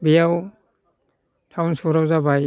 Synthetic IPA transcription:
bijaw | tʰawnsɔɾawzabaj

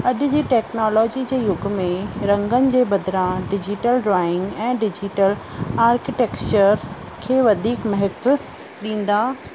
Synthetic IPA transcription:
ɐɗʊd͡ʑiːʈeːknɔːlɔːd͡ʑid͡ʑeːjʊɡmẽɾɐ̃ŋɡənɪ̆d͡ʑeːbɐd̪ɾãɖɪd͡ʑɪʈəlɖɾaːɪ̃ŋɡɛ̃ːɖɪd͡ʑiʈəlaːɾkɪʈeːkt͡ɕəɾ | kʰeːʋɐd̪ʱiːkmɐɦɪt̪ʊ | ɗĩːn̆d̪aː

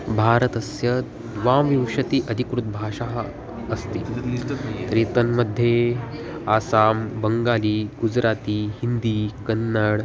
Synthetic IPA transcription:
bʱaːɾət̪ɐsjɐ | d̪ʋãʋiwʂɐt̪iːʔəd̪ʱikɾut̪̚bʱaːʂaɦ | ɐst̪ḭ | t̪ɾeːt̪ənməd̪ʱːje | aːsaːmbəŋɡaːliːɡud͡zɾaːt̪iːhind̪iːkənːəɽ

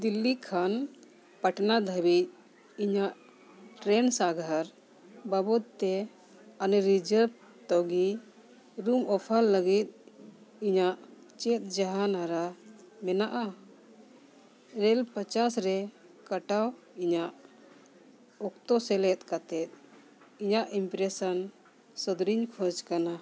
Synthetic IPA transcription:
d̪ilːikʰan | pəʈnad̪ʱəbit̪̚ | iɲaʔ | ʈɾɛnsaɡʱaɾ | babɔt̪̚t̪ːɛ | anɾid͡ʒəɾ | t̪ɔɡi | ɾumɔpʰalːəɡit̪̚iɲaʔt͡ʃɛt̪̚ˀd͡ʒaɦanaɾa | mɛnaʔa | ɾɛlpət͡ʃasɾɛkəʈaw | iɲaʔ | ɔkt̪ɔsɛlɛt̪̚ˀkat̪ɛt̪̚ | iɲaʔimpɾɛsən | səd̪ɾiɲkʰɔd͡ʒkana

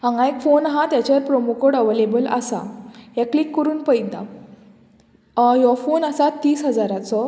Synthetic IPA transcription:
ɦãŋɡãekfonɦãt̪jat͡ɕaɾpɾɔmukəɽəʋelebəla̰sa̰ɦjaklikːəɾuːnpəjd̪a̰ | jɔfonəsat̪ːiːsɦəd͡zaɾat͡sɔ

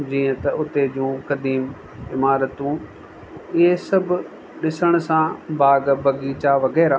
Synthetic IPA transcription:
d͡ʒĩːə̃t̪ɐʊt̪ːeːd͡ʒũːkəd̪iːm | ɪmaːɾət̪ũː | ɪesəb | ɗɪsəɽ̃sãːbʱaːɡbəɡiːt͡ʃaʋəɡɛːɾaː

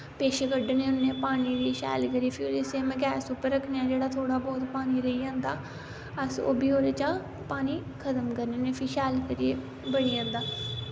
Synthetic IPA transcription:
peːʃeːkəɖnẽːʊnːeːpaːniːɾeʃɛ̰ːlkəɾiepʰiɪseːmɛ̃ːɡɛːsuːpəɾːəkʰneːãːd͡ʒeːɽaːt̪ʰoːɽaːbɔːt̪paːñiːɾəiːãːnd̪aː | əso̰ːbiːoːɾeːt͡ʃaː | paːniː | kʰət̪əmkəɾneːneːpʰɪːʃɛːlkəɾijeː | bəɽiːãːnd̪aː

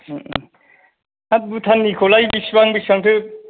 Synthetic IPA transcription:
abut̪ʰanːikʰɔlajbisbaŋbisbaŋtʰɯ

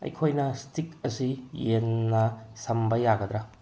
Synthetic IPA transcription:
ɐ̰jkʰojnɐstikɐsijenːɐsɐmbɐjaɡɐd̪ɾɐ

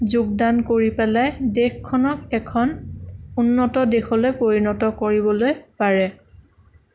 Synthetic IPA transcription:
zuɡ̚dankoɹipɛlajdexkʰːɔnɔkɛkʰɔnunːɔtɔdexɔlojpoɹinɔtɔkoɹibɔlojpaɹɛ

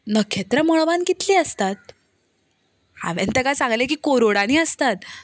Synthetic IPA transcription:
nəkʰet̪ɾəmɔɭʋanɡit̪liːəst̪at̪̚ | a̰ʋḛ̃nt̪əkasãŋɡlekiːkoɾoɽaniːəst̪at̪

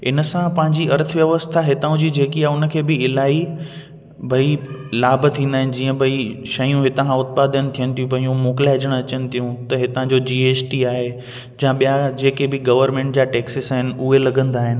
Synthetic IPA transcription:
ɪnəsãpɐ̃ɦɪ̃ɲd͡ʑiɐɾt̪ʰəʋjɐʋəst̪ʰaɦɪt̪aũd͡ʑiːd͡ʑeːkiaːʊnə̆kʰeːbɪɪlaːi | bʱɐilaːbʱət̪ʰĩːn̆d̪aːɦɪnɪ̆d͡ʑiːə̃bʱɐiʃɐjũɦɪt̪ãʊt̪̚paːd̪ənɪ̆t̪ʰijənɪ̆t̪ʰijũpɐ̃ɦĩũmoːkɪlaːɦɪd͡ʑəɽ̃ɐt͡ɕənɪ̆t̪ʰijũt̪ɐɦɪt̪ãd͡ʑod͡ʑiːeːt͡ɕʈiaːɦe | d͡ʑãɓijad͡ʑeːkebɪɡɐʋəɾmẽːɳʈ̚d͡ʑaːʈeːksɪsaːɦɪnɪ̆ʊɦelɐɡə̃nd̪aːɦɪnɪ̆

